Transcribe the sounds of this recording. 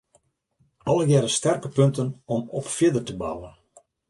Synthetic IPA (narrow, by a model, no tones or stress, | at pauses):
ɔlˠəjɛɾəstɛrkəpøntənɔmɔpfjɪdərtəba̰wən